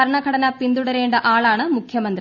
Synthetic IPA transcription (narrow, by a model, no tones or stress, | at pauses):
ɐɾɳɐɡʱɐɽɐnɐpind̪uɽɐɾeːɳɖɐʔaːɭaːɳɨmukʰjɐmɐnd̪ɾi